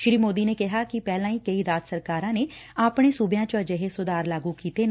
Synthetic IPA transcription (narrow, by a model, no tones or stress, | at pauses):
ʃɾiːmoːd̪iːneːkɪɦaːkɪpɛːlãːiːkəiːɾaːt̪səɾkaːɾãːneːaːpɽ̃eːsuːbjãːt͡ʃəəd͡ʒəɦeːsʊd̪aːɾlaːɡuːkiːt̪eːn